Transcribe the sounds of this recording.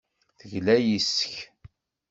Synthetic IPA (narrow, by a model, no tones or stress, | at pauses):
θəʝlæjisə̥ç